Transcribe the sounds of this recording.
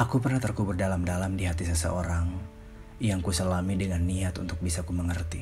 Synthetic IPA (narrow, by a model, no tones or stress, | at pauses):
ʔakupərnaht̪ərkubʊrdalamdalamdiɦat̪isəsə̰ʔoɾaŋ | jaŋkusəlamidəŋanːiat̪unt̪ʊk̚bisakuməŋərt̪i